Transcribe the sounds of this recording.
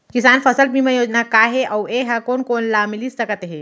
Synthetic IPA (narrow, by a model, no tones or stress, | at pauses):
kisaːnpʰəsəlbimẽjoːd͡ʒnakaɦeʔaweɦakonkoːnlamilisəkət̪ɦe